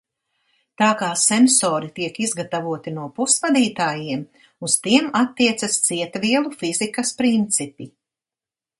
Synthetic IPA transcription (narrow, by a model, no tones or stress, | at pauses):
t̪aːkaːsɛnsɔːɾit̪iɛkizɡat̪avuɔt̪inuɔpusvad̪iːt̪aːjiɛm | uz̥t̪iɛmat̪ːiɛt̪sɐst̪siɛt̪viɛlˠufizikɐspɾint̪sipʲi